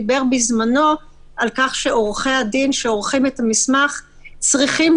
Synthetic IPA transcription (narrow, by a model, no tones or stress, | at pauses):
be̞ʁbizmano̞ | ʔalkaχʃe̞o̞ʁχe̞hadinʃeo̞ʁχimetamismaχ | t͡sʁiχim